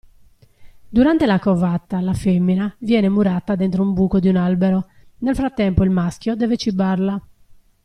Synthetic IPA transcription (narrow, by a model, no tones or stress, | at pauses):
d̪uɾant̪elakɔvat̪ːalafemːinavjɛːnemuɾat̪ːad̪ɛnt̪ɾoumbuːkod̪iunalbɛɾɔ | nelfɾat̪ːɛmpoilmask̟jod̪ɛːvet͡ʃibaɾla